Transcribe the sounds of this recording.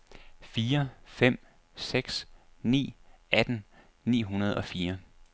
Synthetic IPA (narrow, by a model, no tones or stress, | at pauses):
fiːɐfem̰ | seɡ̥snḭːæd̥n̩ | nḭːɦunɐð̞ˠɒ̽fiːɐ